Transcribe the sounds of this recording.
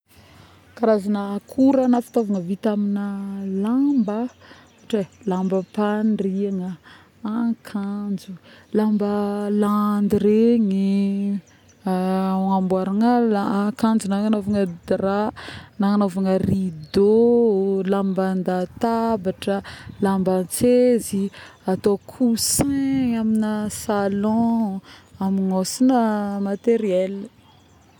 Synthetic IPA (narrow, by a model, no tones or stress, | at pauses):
kaɾazanəkʰuɾənafi̥t̪ovaŋəvit̪aminəlambə | ʈ͡ʂelambəpanriaŋə | akʰand͡zulambəland̪iɾeŋi | ŋambwaɾaŋəlakand͡ʒunaŋanovaŋəd̪ranaŋanovaŋərid̪o | lamband̪at̪abaʈ͡ʂəlambat͡seziat̪okʰusẽaminəsalɔ̃ | amiŋosinəmat̪eɾiɛl